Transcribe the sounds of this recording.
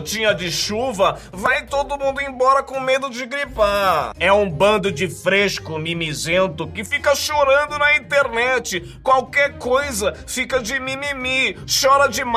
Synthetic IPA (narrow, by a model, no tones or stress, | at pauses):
t͡ʃĩɲɐd͡ʒɪʃuvɐ | vajt̪od̪ʊmũnd̪ʊẽbɔɾɐkõmed̪ʊd͡ʒɪɡɾipaɛũbɐ̃nd̪ʊd͡ʒɪfɾeʃkʊmimizẽnt̪ʊkɪfikɐʃoɾɐ̃nd̪ʊnɐĩt̪eɾnɛt͡ʃɪ | kwawkɛɾkojzɐfikɐd͡ʒɪmimimiʃɔɾɐd͡ʒɪm